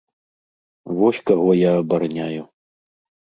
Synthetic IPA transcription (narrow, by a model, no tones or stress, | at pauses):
vɔsʲkaɣɔjaːbaɾnʲaju